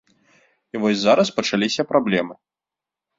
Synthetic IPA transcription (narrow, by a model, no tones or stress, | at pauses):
ivɔsʲzaɾɐspɐt͡ʂalʲisʲɐpɾablʲɛmɨ